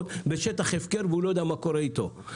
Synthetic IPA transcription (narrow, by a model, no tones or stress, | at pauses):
t̪beʃet̪aχefkeɾveulojod̪eamakoɾeit̪o